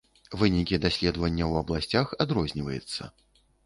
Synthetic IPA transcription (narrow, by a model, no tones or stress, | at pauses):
vɨnʲikʲid̪asʲlʲɛd̪vɐnʲːɐwɐblˠasʲt͡sʲaxad̪ɾɔzʲnʲivɐjut̪sːɐ̰